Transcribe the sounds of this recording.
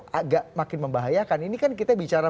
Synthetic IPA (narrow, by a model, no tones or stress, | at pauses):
aɡaʔmakɪnməmbaɦajakaninikankit̪abit͡ʃaɾa